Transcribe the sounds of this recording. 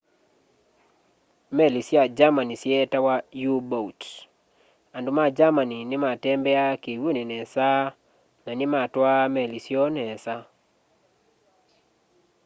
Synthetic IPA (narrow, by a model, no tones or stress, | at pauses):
mɛlisjad͡ʒamanisjetawajubot | andumad͡ʒamaninɪmatɛmbɛakewonenɛsa | nanɪmatwamɛlisjɔnɛsa